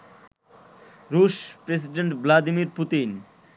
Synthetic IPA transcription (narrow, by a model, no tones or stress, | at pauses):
ɾuʃpɾes̬iɖeɳʈblad̪imiɾput̪in